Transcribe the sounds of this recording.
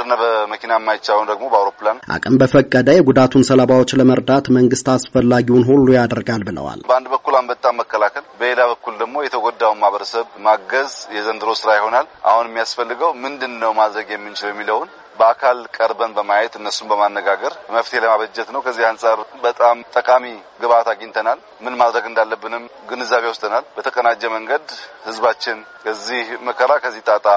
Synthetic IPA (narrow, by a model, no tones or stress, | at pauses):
ɾɨnːabəməkinaɛmːajt͡ʃːaləmd̪əɡmo̞bəawɾo̞planʔa̰kʼɨmbəfəkʼːəd̪əjɛɡud̪at̪ʰunsəlaβawot͡ʃːləməɾd̪at̪məŋɡɨst̪asfəlːaɡiwnɦulːujad̪ɾɡalbɨlə̰wa̰lbəand̪bəkːulambət̪ʼamːəkʰːəlakʰəlbəelaβəkːuld̪əɡmo̞jɛt̪ʰəɡʷod̪ːawumahβəɾəsəβmaɡəzjɛzənd̪ɨɾosɨɾajɪho̞nalʔa̰hunɛmːijasfəlːɨɡəwmɨnd̪ɨnːəwmad̪ɾəɡjɛmːɨnt͡ʃɪljɛmːiləwn | bəakʰalkʼəɾbənbəmajɛt̪ɨnːəsːunbəmanːəɡaɡəɾməft̪ʰeləmaβəd͡ʒːɛt̪nəwkʰəzːihansʼaɾbət̪ʼamt̪ʼːəkʼamiɡəβat̪aɡint̪ʰənal | mɨnmad̪ɾəɡɨnd̪alːəbːɨnɨm | ɡɨnɨzːaβewʊst̪ʰʼənalbət̪ʰəkʼənad͡ʒːɛməŋɡəd̪hɨzbat͡ʃːɪn | kʰəzːihməkʰəɾakʰəzːiht̪ʼat̪ʼa